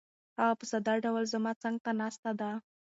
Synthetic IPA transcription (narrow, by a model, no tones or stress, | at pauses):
aɣapəsad̪ɑɖawlzamɑt͡saŋɡ̚t̪anɑst̪ad̪a